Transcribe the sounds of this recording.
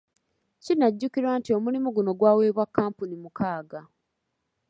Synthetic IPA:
cinaɟːukiɾwaːntio̞mulimuɡuno̞ɡwaːwe̞ːβwakːaːmpunimukaːɡa

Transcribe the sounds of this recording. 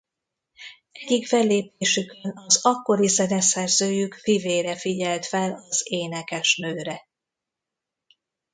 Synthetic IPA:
ɛɟikfɛlːeːpeːʃykønɒzɒkːo̞ɾizɛnɛsɛrzøːjykfiveːɾɛfiɟɛlt̪fɛlɒzeːnɛkɛʃnøːɾɛ

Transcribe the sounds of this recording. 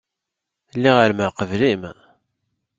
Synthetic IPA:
lːiʁəɾməqəvlim

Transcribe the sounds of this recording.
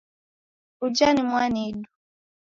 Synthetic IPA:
ud͡ʒanimwanidu̥

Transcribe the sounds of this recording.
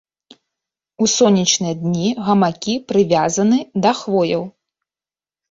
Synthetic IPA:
usɔnʲːɐt͡ʂnɨjɐd̪nʲiɣɐmakʲipɾɨvʲazɐnɨd̪ɐxvɔjɐw

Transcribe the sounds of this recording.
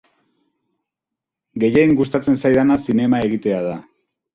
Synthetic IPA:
ɡe̞je̞jŋɡust̪at͡se̞nsajðanasine̞mae̞ɣ̞it̪e̞aða

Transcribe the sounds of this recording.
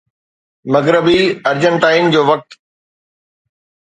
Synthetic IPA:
mɐɡɾəbiɐɾd͡ʑə̃nt̪aːɪɪnd͡ʑoːʋɐk̚t̪

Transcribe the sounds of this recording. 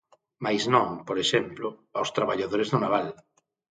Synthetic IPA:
majsnɔ̃ŋpoɾeʃemplʊawst̪ɾaβaʎaðoɾezðʊnaβal

